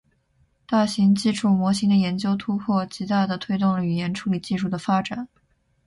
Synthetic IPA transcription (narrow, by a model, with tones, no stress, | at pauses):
t̪a˥˩ɕi˧˥ŋt͡ɕi˥ʈ͡ʂʰu˥˩mwɔ˧˥ɕi˧˥ŋd̪ə˨jɛ˧˥nt͡ɕjo˥ʊt̪ʰu˥pʰwɔ˥˩t͡ɕi˧˥t̪a˥˩d̪ə˩t̪ʰwe˥ɪt̪ʊ˥˩ŋlə˨y˨˩jɛ˧˥nʈ͡ʂʰu˧˥li˨˩t͡ɕi˥˧ʂu˥˩d̪ə˩fa˥ʈ͡ʂa˨˩˦n